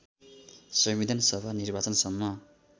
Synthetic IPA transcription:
sʌmwid̪ʱʌnsʌbʱanirbat͡sʌnsʌmːʌ

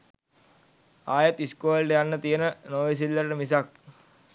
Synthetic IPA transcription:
aːjɐt̪iskoːlɖejanːət̪ijənənoːʋis̬ilːɐɾʈəmisak̚

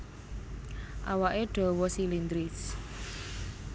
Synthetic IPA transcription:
ʔawaʔeɖ̥ɔ̤wɔsilind̪ɾɪs

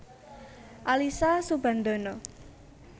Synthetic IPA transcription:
ʔalisasub̥a̤nd̪o̤no

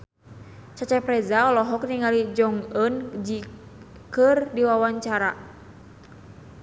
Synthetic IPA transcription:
t͡ʃat͡ʃapɾɛzaɔlɔɦɔk̚niŋalid͡ʒɔŋənd͡ʒi | kərdiwawaɲt͡ʃaɾa

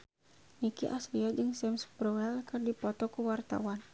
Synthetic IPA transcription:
nikiʔasliad͡ʒɨŋsɛmspɾɔɛlkɨrdipɔt̪ɔkuwart̪a̰wan

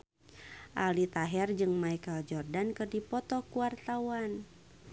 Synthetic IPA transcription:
ʔalit̪aɦɛrd͡ʒɨŋmaikald͡ʒɔrdankɨrdipɔt̪ɔkuart̪awan

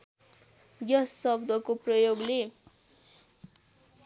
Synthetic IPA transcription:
jʌsːʌbd̪ʱʌkoprʌjoɡle

